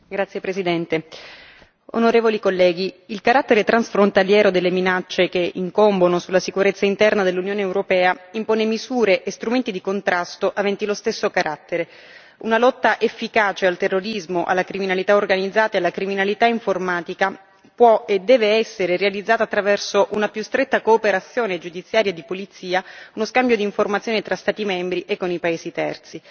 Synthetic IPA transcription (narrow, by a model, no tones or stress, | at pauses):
ɡɾat̪sːjepɾesid̪ɛnt̪e | o̰noɾeːvolikolːɛːɡiilkaɾat̪ːeɾet̪ɾansfɾont̪aljɛːɾod̪elːeminat͡ʃːekeḭŋkombonosulːasikuɾet̪sːaint̪ɛrnad̪elːunjoːneːwɾopɛːaimpoːnemizuːɾeʔest̪ɾument̪id̪ikont̪ɾʔast̪oʔavɛnt̪ilost̪esːokaɾʔat̪ːeɾe | unalɔt̪ːaʔefːikaːt͡ʃealt̪erːoɾizmoʔa̰lːakɾiminalit̪aorɡanid̪zːaːt̪aealːakɾiminalit̪aiɱformaːt̪ika | pwɔed̪ːɛːveɛsːeɾeɾealid̪zːaːt̪at̪ːɾavɛrsoʔunapjust̪ɾet̪ːakoːpeɾat̪sːjoːned͡ʒud̪it̪sːjaːɾjad̪ipolit̪siːaunoskambjod̪iːɱformat̪sjoːnet̪ɾast̪aːt̪imɛmbɾiʔekːonipaeːzit̪ɛ̰rt̪si